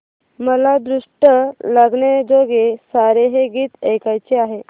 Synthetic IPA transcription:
məlad̪ɾuʂʈəlaɡɳed͡zoɡesaɾeɦeɡiːt̪ejkajt͡seaɦe

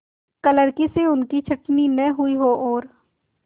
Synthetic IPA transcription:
kələɾkiseʊnkit͡ʃʰɐʈninɛɦʊiɦoʔɔːɾ

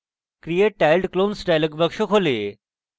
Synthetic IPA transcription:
kɾijeʈːalɖklonsʈajləkbəkʂokʰole

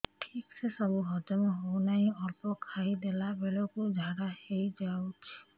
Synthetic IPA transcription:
ʈʰiksesɔbuɦɔd͡ʒɔmɔɦownaĩɔlpɔkʰaid̪elabelɔkud͡ʒʱaɾahejd͡ʒawt͡ʃʰi̥

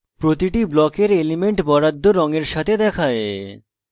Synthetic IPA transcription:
pɾot̪iʈiblɔkeɾelimeɳʈbɔɾad̪ʱːoɾɔŋeɾʃat̪ʰed̪ɛkʰae

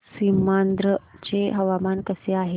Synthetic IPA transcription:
simand̪ɾət͡ɕeɦəʋamankəseaɦe

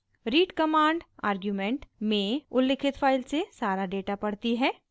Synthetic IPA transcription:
ɾiːʈkɐmaːɳɖaːɾɡjumẽɳʈmẽʊlːɪkʰɪt̪fʰaːɪlsesaːɾaɖeːʈapɐɽ̤t̪iɦɛː

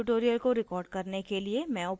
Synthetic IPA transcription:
ʊʈoːɾijəlkoɾɪkɔːɾɖkɐɾnekeliemɛ̃op

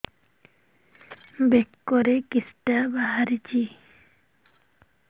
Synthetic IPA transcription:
bekːoɾekisʈabaɦaɾit͡ɕʰi

